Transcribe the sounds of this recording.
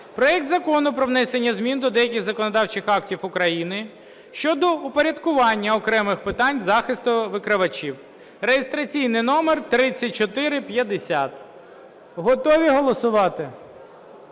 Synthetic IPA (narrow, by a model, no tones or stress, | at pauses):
pɾɔjɛkt̪zɐkɔnʊpɾɔʋnɛsenʲːɐzmʲind̪ɔd̪ɛjɐkʲɪɣzɐkɔnɔd̪ɑwt͡ʃɪxɑktʲiwʊkɾɐjinɪ | ʃt͡ʃɔd̪ɔʊpɔɾʲɐd̪kʊʋɑnʲːɐɔkɾɛmɪxpɪt̪ɑnʲzɑxɪst̪ʊʋɪkɾɪʋɐt͡ʃiw | rejɪst̪ɾɐt͡sʲijnɪjnɔmert̪ɾɪt͡sʲːɐt̚ʲt͡ʃɔt̪ɪɾɪpjɐd̪esʲat̪ | ɦɔt̪ɔʋʲiɦɔlˠɔsʊʋɑt̪ɪ